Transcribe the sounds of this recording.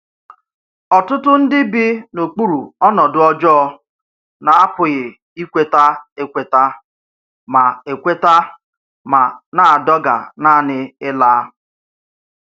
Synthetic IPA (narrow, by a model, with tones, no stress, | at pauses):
ɔ˨tʊ˦tʊ˦n̩˦dɪ˦bɪ˦no˨k͡pu˦ɾu˨ɔ˦nɔ˨dʊ˦ɔ˦d͡ʒɔ˦ɔ˦˨ | na˨a˦pʊ˨ɣɪ˨ | i˦kʷe˦ta˦e˦kʷe˨ta˦ | ma˨e˨kʷe˦ta˦ | ma˨na˨a˨dɔ˦ɡa̰˨na˦˨nɪ˦ɪ˦laː˦